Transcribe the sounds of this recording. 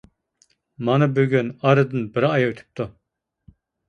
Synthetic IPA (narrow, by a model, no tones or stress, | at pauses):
mɑnɨbøɡʲynɑɾɨd̪ɨnbɪɾɪɑjɑyt̪ʰy̥p̚t̪ʰu